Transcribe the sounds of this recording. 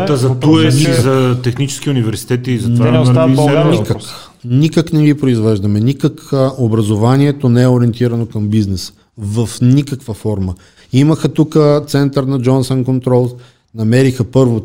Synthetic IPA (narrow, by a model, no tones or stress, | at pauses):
ɐzɐt̪uɛizɐt̪ɛxnit͡ʃɛ̥sk̟iunivɛɾsi̥t̪ɛt̪iːzɐvaɐɛnikək | nikəknɛɡipɾoizvɛʒd̪ɐmɛnikəkʔobɾɐzovaniɛt̪onɛɛoɾiɛnt̪iɾɐnokɐmbiznɛsə̥ | vəfnikəkvəfɔɾmə | iməxət̪ukət̪sɛnt̪əɾnɐd͡ʒɔnsɛnkont̪ɾɔlˠ | nɐmɛɾixəpɤɾvo